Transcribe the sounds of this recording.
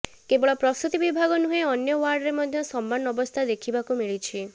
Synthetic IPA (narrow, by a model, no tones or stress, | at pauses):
kebɔɭɔpɾɔst̪ut̪ibibʱaɡɔnuɦẽɔnjɔwaɾɖɔɾemɔd̪ʱjɔsɔmːanɔbɔst̪ʰad̪ekʰibakumiɭit͡ʃʰi